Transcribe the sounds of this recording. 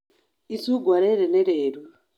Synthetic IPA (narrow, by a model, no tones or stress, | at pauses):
isuɡwaɾɛɾɛnɛɾɛːɾwu